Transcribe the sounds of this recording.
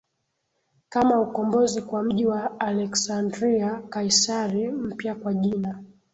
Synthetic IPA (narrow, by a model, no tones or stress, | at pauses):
kamaukɔmbɔzikwam̩ʄiwaːlɛksandɾiakaisaɾim̩pjakwaʄina